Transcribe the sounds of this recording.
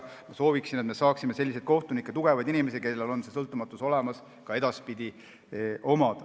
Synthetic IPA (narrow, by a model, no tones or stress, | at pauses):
mɑso̞ːviksinet̪me̞sɑːksime̞se̞lʲːise̞d̪̥ko̞ht̪unikːˑet̪uɡ̥e̞vɑjd̪inime̞s̬ike̞lːe̞lo̞nse̞sɤlt̪ːˑumɑt̪ːˑuso̞le̞mɑs | kɑe̞d̪̥ɑspid̪̥ʲi | ʔo̞mɑd̪̥